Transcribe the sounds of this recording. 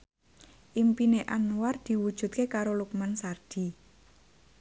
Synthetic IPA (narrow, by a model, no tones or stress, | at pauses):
ʔimpineʔanward̪̥i̤wud̥ʒ̥ṳt̪̚kekaɾolukmansard̪̥i̤